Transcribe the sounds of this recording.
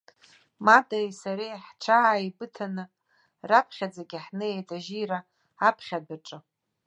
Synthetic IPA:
madajsaɾiħʈ͡ʂʰaʕaibɨtʰanɨ | rapʰχʲad͡zaɡʲiħnɨjejtʰaʒiɾa | apʰχʲadaʈ͡ʂʼɨ

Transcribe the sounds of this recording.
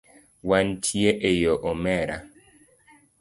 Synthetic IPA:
wantʰieʔejoʔɔmɛɾa̰

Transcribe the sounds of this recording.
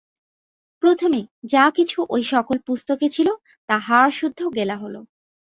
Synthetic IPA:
pɾot̪ʰomed͡ʑakit͡ɕʰuʔojʃɔkolpust̪oket͡ɕʰilo | t̪aɦaɾʃud̪ʱːoɡelaɦolo̰

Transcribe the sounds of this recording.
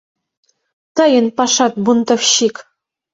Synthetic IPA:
t̪ɤ̆jɘ̆npɑʂɑt̪̚bunt̪ɤ̆fɕik

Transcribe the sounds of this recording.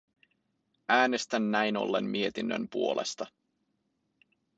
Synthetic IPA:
æːne̞st̪ænːæjno̞̰lːe̞̰mmie̞t̪inːø̰mpuo̞lʔe̞̰st̪ɑ

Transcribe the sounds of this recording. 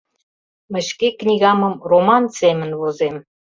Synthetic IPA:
mə̆ɕkeknʲiɣɑmə̆mromɑnsemə̆nβozem

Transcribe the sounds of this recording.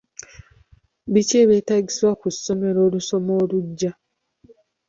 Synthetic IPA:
βiceβe̞ːtaɟisiwakusːo̞me̞ɾo̞ːluso̞mo̞ːluɟːa

